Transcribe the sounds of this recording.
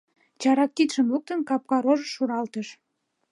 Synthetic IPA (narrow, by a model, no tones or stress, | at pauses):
t͡ɕɑɾɑk̚t̪it̪ʃəmluk̚t̪ənkɑp̚kɑɾoʒəʃuɾɑlt̪əʃ